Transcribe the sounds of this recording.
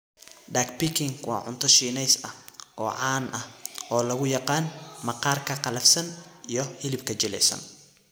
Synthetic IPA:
ɖaːɡpɪkʰɪŋwɑ̰ːʕʊ̰nt̪ʰɔʃiːnɛjsɐɡɔːʕɑːnʔɐhʔɔːlɐɣʊjɑqɑːnmɐqɑːrkʰɐqɑlɐfsɐnijɞhɪlɪbkʰɐt͡ʃɪlɛ̰jsɐ̰n

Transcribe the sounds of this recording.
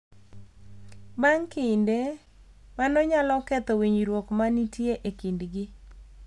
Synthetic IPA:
baŋkɪnde | manɔɲalɔkɛt̪ɔwiɲɾwokmanitjeʔekindɡɪ

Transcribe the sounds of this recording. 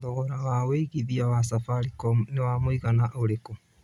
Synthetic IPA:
ðɔɔɾawaweiɣiðiawasafaɾikɔmnewaːmoiɣanaʔoɾeko

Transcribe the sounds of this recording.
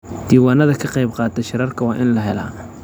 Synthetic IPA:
d̪̥iːwaːnɐðɐkʰɐqɑjbqɑːt̪ʰɐʃɪɾɐrkʰɐwɑːʔɪnlɐɦɛla̰ː

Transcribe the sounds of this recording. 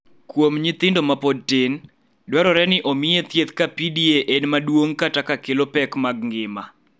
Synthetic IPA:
kwomɲɪt̪ɪndomapod̚tɪn | dwɛɾɔɾɛnɪʔomɪet̪jet̪kapidieʔenmadwoŋkatakakɪlopɛkmaɡ̚ŋɡɪma

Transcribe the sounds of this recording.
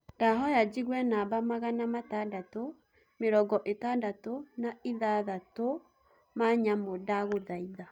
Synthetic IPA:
ndaɦɔjad͡ʒiɣwɛnabamaɣanamatandato | meɾɔɡɔʔetandatonaiðaðato | maɲamodaɣoðaiða

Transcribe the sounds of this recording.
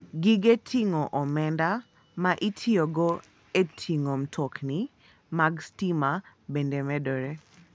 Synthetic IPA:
ɡiɡetʰiŋoʔɔmɛnda | maʔitʰioɡo | etʰiŋom̩tʰɔkni | maɡstima | bendemɛdoɾe

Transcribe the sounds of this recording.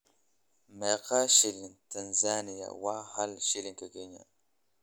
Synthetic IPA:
meqaʃilintanzanija̰wahalʃiliŋkaɡeɲa̰

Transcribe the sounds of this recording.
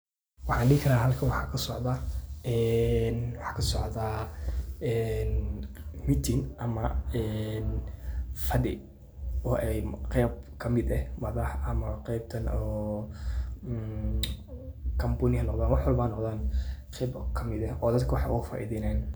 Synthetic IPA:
wɑħɑ̃ːnɖɪhɪkʰɐɾaːɦɐlkʰɐnwɑħɑkʰɐsɔʕd̪ɐɛnwɑħɑ̥ːkʰɐsɔʕðɐ | ɛnmɪt̪ʰɪnʔɐmɐɛːn | fɐdɪ | ɔʔɛjqɛːb̚kʰɐmɪd̪ɛhmɐðɐħɐmɐqɛjb̚t̪ʰɐnʔɔː | n | kʰɐmbʊnɪhɐnɔqðaːnwɑħwɐlbaːnːɔqd̪aːnqɛjbkʰɐmɪd̪ɛʔɔːd̪ɐd̪kʰɐwɑħɑ̰jʔʊ̰fa̰ːʔḭðɪnɛːn

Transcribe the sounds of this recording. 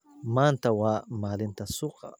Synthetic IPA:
mant̪awamalɪnt̪asoqa̰

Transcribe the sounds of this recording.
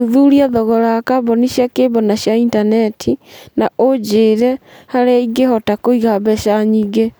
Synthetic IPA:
uðuɾiaðɔɣɔɾakabɔniɕiakeːβɔnaɕjaintanɛtʰinaʔod͡ʒeːɾɛhaɾeiɡehɔtakoiɣabɛʃaɲiːɡe

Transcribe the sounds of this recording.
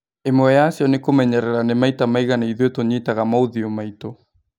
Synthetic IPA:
emoɛasjɔnekomɛɲɛɾɛɾanemaitamajɣanaiðwetoɲetaɣamauðiomaito

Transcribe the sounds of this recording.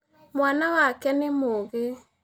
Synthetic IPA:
mwanawakɛnemoɣe

